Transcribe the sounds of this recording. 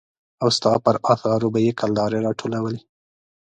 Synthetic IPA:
awst̪ɑpəɾɑθɑɾobajekald̪ɑɾeɾɑʈʰolawəle

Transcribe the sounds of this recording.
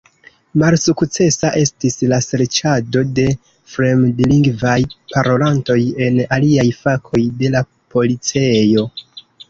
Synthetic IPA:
malsukt͡se̞saʔe̞stislaseɾt͡ʃado̞de̞ | fɾe̞mdiliŋɡvajpʰaɾʔo̞lanto̞je̞naliajfakʰo̞jde̞la | po̞lit͡se̞jo̞

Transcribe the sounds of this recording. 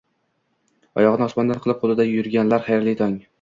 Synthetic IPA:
ɒ̰jɒʁɨnɨɒsmɒnd̪anqʰɨlˠɪp̚qʰolˠɪd̪ajʊɾɡʲanlaɾχajɾlɪt̪ʰɒŋ

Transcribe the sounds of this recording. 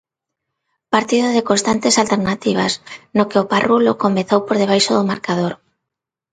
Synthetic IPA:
paɾt̪iðʊðekonst̪ant̪esalt̪eɾnat̪iβ̞a̰snokɪoparʔulokomẽθowpoɾðeβ̞ajʃoðomaɾkaðoɾ

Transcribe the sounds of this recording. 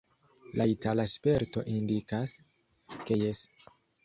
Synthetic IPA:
lʔaitalaspe̞ɾto̞̰ʔindikas | ke̞jes

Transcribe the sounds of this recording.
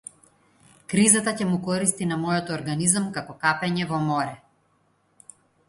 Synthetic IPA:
kɾizat̪acɛmukɔɾist̪inamɔjɔt̪ːɾɡanizamkakɔkapɛɲɛvɔmɔɾɛ

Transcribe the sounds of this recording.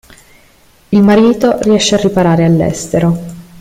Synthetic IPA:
ilmaɾiːt̪oriɛʃːearːipaɾaːɾealːɛ̰st̪eɾo

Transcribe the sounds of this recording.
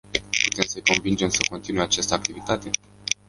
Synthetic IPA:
pu̥t̪e̞msəjko̞nvind͡ʒe̞msəko̞nt̪inujat͡ʃast̪əak̚t̪ivit̪at̪e̞

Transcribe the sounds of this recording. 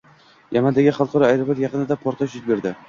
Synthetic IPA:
jʔamand̪aɡʲɪχɑlˠqɑɾɒajɾapot̪jɑqɨnɪd̪apʰɒɾt̪ʰaʃʊt̪̚be̞ɾd̪ɪ

